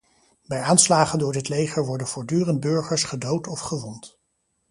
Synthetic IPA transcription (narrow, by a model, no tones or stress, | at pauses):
bɛjaːnslaːχəndʊːɹdɪtlejχəɹʋɔɹdənv̥ʊːɹdyːrənd̚bɵɹχəɹsχədowtɔfχəʋɔnt